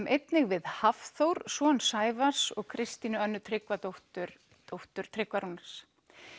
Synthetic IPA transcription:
mʔejt̪nɪɣvɪðhafθowɾsɔːnsaːjvasɔɣkʰɾɪst̪inʏœnːʏt̪ʰɾɪkvat̪owht̪ʏɾ | t̪owht̪ʏɾ̥t̪ʰɾɪkvaɾunas

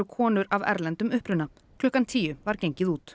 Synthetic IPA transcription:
ʏkʰɔːnʏɾavɛ̰ɾlɛnt̪ʏmʏhpɾʏna | kʰlœhkant̪ʰiːjʏvaɾ̥cejɲcɪðuːt̪

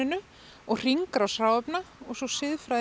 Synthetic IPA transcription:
ɪnʏ | ɔɣr̥iŋkɾawsɾaːwɛpnaɔɣsɔsɪðfɾaj

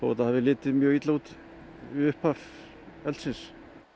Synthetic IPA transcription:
oɛt̪ːaðhavðɪlɪːt̪ɪmjœːɣit̪laut̪ | ʏhpaf | ɛlsɪs

